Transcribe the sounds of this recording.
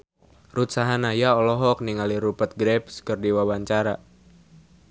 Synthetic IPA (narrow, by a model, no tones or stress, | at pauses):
rut̪̚saɦanajaɔlɔɦɔk̚niŋaliɾupət̪̚ɡɾɛpskɨrdiwawaɲt͡ʃaɾa